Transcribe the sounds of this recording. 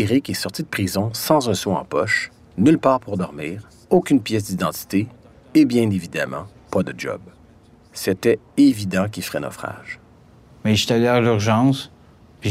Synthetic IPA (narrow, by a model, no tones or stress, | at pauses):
eʁikɛsɔʁt̪id̪əpχizɔ̃sɑ̃zɛ̃swɛ̃ɑ̰̃pɔʃ | nylpaːʁpuʁd̪ɔʁmiːʁ | okʲynpjɛs̬d̪id̪ɑ̃t̪i̥t̪e | ebjɛ̃nevid̪a̰mɑ̰̃ | pad̪əd͡ʒɔ̰b | set̪ɛ | evid̪ɑ̃k̬ʲilfʁɛnɔ̰fχa̰ːʒ̥ | mɛiʃt̪alɛʁlyʁʒɑ̃ːs | pi